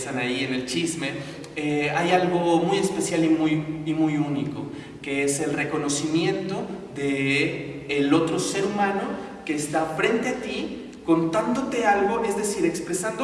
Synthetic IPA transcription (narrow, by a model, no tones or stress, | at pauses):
sanaienelt͡ʃizme̞ | eajalɣo̞muje̞spe̞sjalimujimujuniko̞ | ke̞e̞se̞lre̞ko̞no̞simje̞nt̪o̞ðeː | lo̞t̪ɾo̞se̞ɾumãno̞ | ke̞ːst̪afɾe̞nt̪e̞at̪i | ko̞nt̪and̪o̞t̪e̞alɣo̞e̞zðe̞siɾe̞kspɾe̞sand̪o